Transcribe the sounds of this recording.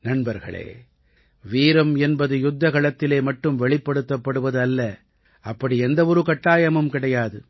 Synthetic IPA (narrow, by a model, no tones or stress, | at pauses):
nɐnbɐɾɣɐ̰ɭḛː | ʋiːɾɐmɛnbɐðɯjʊd̪ːɐɣɐɭɐt̪ːɪleːmɐʈːɯmʋɛɭɪpːɐɽɯt̪ːɐpːɐɽɯʋɐðɯɐlːɐ | ɐpːɐɽiɛnd̪ɐɔɾɯkɐʈːaːjɐmɯmkɪɽɐjaːðɯ